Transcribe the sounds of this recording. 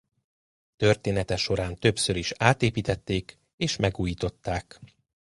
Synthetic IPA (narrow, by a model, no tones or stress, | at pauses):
t̪ørt̪eːnɛt̪ɛʃo̞ɾaːnt̪ø̞psøɾiʃaːt̪eːpiːt̪ɛt̪ːeːk | eːʃmʔɛɡuːjiːt̪o̞t̪ːaːk